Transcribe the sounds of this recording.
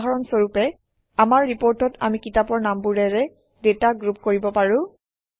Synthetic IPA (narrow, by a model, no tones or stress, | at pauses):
ɦaɹɔnsoɹupɛ | amaɹːipoɹtɔta̰mikitapɔɹnambuɹɛɹɛ | detaɡɹup̚koɹibɔpaɹʊ̃